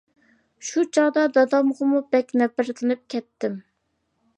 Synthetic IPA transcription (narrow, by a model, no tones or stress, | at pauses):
ʃut͡ʃʰɑd̪ɑd̪ɑd̪ɑmʁəmubɛkʲnɛpɪɾt̪ʰɪnɨp̚kʲʰɛt̪ːɪm